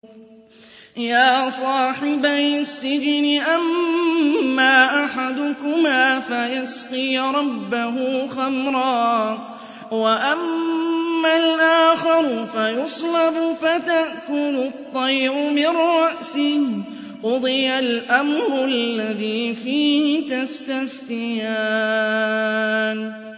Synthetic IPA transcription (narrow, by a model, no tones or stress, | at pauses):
jaːsˤɑːħɪbajsːɪd͡ʒnɪʔamː | aːʔaħad̪ʊkʊmaːfajasqɨjɾˤɑbːaɦʊxamɾˤɑː | waʔamː | alʔaːxɪɾfajʊsˤlɑbʊfat̪aʔkʊlʊt̪ˤːɑjʔʊmɪɾɾɑʔsɪh | qʊd̪ˤɨjalʔamɾˤʊʔalːaðiːfiːhɪt̪ast̪afθɪjaː | n